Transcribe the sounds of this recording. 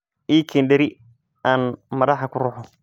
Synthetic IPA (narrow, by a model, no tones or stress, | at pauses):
ʔiːkʰiːnɖɛɾɪ | aːnmɐðɑħɐkʰʊrʊːħɔ